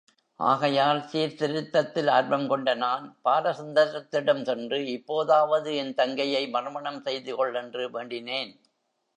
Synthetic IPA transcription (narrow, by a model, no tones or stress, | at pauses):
ʔa̰ːɣɐjaːlsiːɾt̪ɪɾɯt̪ːɐt̪ːɪlaːɾbɐmkɔɳɖɐnaːnpaːɾɐsɐnd̪ɐɾɐt̪ːɪɽɐmsɛndrɯɪpːoːðaːʋɐðɯɛnt̪ɐŋɡɐjɐɪmɐrɯmɐɳɐmsɛjðɯkɔɭːɛndrɯʋeːɳɖɪneːn